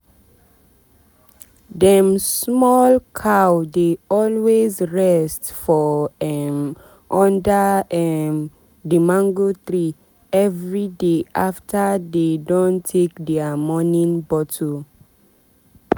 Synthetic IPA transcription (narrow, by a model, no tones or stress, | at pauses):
dɛ̃msmɔlkʰawdeɔlwezɹɛstfɔɛm | ʔɔ̃ndəɛm | dimãŋɡotɹi | ɛvɹideʔaftʰədedõntʰekdɛəmɔnĩnbɔtʰo